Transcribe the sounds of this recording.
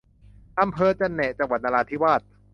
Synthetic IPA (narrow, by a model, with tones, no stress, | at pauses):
ʔa˧mpʰɤː˧t͡ɕa˧nːɛ˨˩ʔt͡ɕa˧ŋwa˨˩t̪̚naː˧aː˧t̪ʰiː˦˥waː˥˩t̪̚